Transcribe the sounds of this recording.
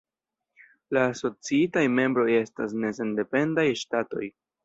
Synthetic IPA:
laːso̞t͡siitajme̞mbɾo̞je̞stas̬ne̞s̬e̞nde̞pe̞ndajʃtato̞̰j

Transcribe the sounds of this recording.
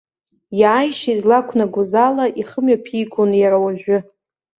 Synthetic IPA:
jaːjʃaizlakʷʰnaɡʷʊzalaʔiχəmɥapʰiɡʷonjaɾawaʒᶣʷʊ

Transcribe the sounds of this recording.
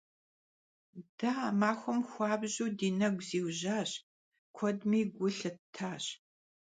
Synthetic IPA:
d̥aːmaːxʷʊmxʷɑːbʑuːdiːnɐɡʷziːwʑaːɕ | kʷʰɔdmiːɡʷʊɬɨtʰaːɕ

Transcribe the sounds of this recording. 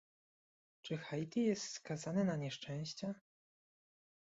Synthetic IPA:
t͡ʂɘxajt̪ʲijɛst̪skazanɛnaɲɛʂt͡ʂɛ̃w̃ɕt͡ɕa

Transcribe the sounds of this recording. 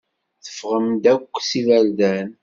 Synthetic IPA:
θə̥fʁəmd̪ækʷːsivæld̪æn

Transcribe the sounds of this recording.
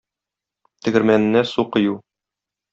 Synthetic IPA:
t̪ɘ̆ɡɘ̆ɾmænɘ̆nːæsuqɤ̆ju

